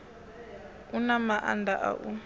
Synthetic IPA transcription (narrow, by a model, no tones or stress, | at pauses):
unamaʔa̰ndaʔa̰ʔu